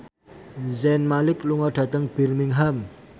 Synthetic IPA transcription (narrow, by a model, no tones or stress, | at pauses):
zɛnmalɪkluŋɔɖ̥a̤t̪əŋb̥irmiŋɦam